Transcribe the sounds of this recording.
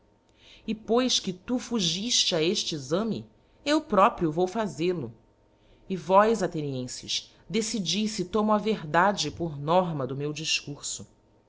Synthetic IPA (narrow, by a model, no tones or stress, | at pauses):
ɪpojʃkɪt̪ufuʒiʃt͡ʃɪaeʃt͡ʃɪizɐ̃mɪ̰ | ewpɾɔpɾiʊvowfazelʊ | ɪvɔjzat̪eniẽsɪ̰ʃ | d̪esid͡ʒijsɪt̪õmaveɦd̪ad͡ʒɪpʊɾnɔɦmɐd̪ʊmewd͡ʒiʃkuɾsʊ